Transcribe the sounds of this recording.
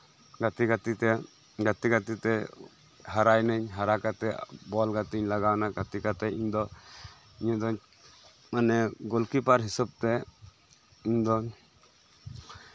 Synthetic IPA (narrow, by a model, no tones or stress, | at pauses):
ɡat̪iɡat̪it̪ɛ | ɡat̪iɡat̪it̪ɛ | ɦaɾajnəɲɦaɾakat̪ɛbɔlɡat̪iɲlaɡawnaɡat̪ikat̪ɛiɲd̪ɔ | iɲad̪ɔ | manɛɡɔlkipaɾɦisɔb̚t̪ɛ | iɲd̪ɔ